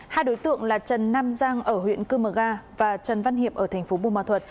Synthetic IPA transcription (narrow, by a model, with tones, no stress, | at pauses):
haː˧jɗo˨˦jt̪ɨ̰˧˨əŋlaː˨˩t͡ɕə˨˩nːaː˧mzaː˧ŋʔəː˧˩ɦwḭ˧˨ənkɨ˧məː˨˩ɣaː˧vaː˨˩t͡ɕə˨˩nva˧nɦi˨˩əp̚ʔəː˧˩t̪ʰŋ̟fo˨˦ɓu˧˩maː˧˩t̪ʰwə˨˩t̚